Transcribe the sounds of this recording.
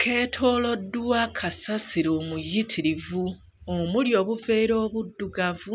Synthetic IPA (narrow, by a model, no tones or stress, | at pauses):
kʰe̞ːtʰo̞ːlo̞dːuwakʰasasiɾo̞ːmujitʰiɾivu | omuljo̞ːβuve̞ːɾo̞ːβudːuɡavu